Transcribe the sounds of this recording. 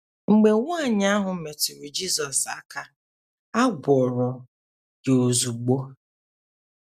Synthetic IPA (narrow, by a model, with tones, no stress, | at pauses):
ŋ͡m̩˨ɡ͡be˨ŋʷa˦˨ɲ˦a˦ɦʊ˨me˨tɪ˨ɾʊ˨d͡ʒi˦zɔ˨sa˨ka˦ | a˦ɡʷɔ˨ɾɔ˨ | ɡo˨o˨zu˨ɡ͡bo˦